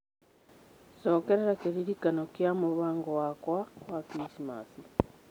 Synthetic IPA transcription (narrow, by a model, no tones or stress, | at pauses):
soːkeɾeɾakeɾiɾikanokjamuβaːŋɡowakwawakɾisima̰ːsi